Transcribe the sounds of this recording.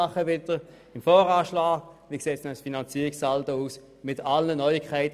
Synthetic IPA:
ɑχəvɪdə | ɪmfɔːʁaːʃlaːɡviəkseːtsɛnəsfinant͡siːʁɪksaltəuːs | mɪtalnənœʏɪkʰːaɪt

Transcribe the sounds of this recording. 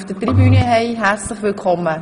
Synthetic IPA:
fd̥ətribynəɦɛɪɦært͡slɪχʋɪlkʰɔmːə

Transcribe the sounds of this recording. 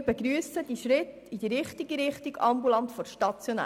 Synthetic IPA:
b̥ɛɡɾyəsəd̪iʃɾɪt̪ | id̥iɾɪχt̪iɡiɾɪχtiɡɑmbulɑntfɔɾʃtɑt͡sjonæ̰

